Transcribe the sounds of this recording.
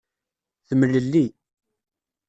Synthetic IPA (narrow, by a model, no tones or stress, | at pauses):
θəməlːəlːi